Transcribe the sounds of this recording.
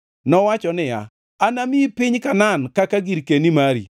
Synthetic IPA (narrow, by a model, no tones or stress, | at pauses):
nɔwat͡ʃɔnɪja̰ | anamɪpɪɲkanankakaɡiɾkenimaɾḭ